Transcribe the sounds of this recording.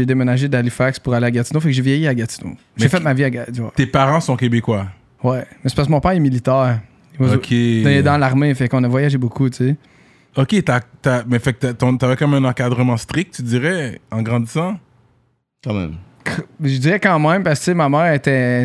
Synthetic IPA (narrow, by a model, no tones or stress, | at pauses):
ed̪emenaʒed̪alifakspuʁaleaɡat̪inofɛkʒevjejiaɡat̪i̥no̰ | mʒefɛt̪maviaɡadwat̪epaʁɑ̃sɔ̃kʲebekwa | wɛmɛse̥paskəmɔ̃pɛʁɛmilit̪ɛːʁ | ivokʰʲeɛd̪ɑ̃laʁmefɛkɔ̃navwajaʒebokʰut͡sse | okʲet̪at̪amɛfɛk̚t̪at̪ɔ̃t̪avɛkɔmɛ̃nɑ̃kad̪ʁəmɑ̃st̪χik̚t̪̚ːyd̪iʁɛɑ̃ɡʁɑ̃d̪isɑ̃ | kɑ̃mɛ̰̃m | kʰʒəd̪iʁɛkɑ̃mɛ̃mpaskə̥t͡semamɛːʁet̪ɛ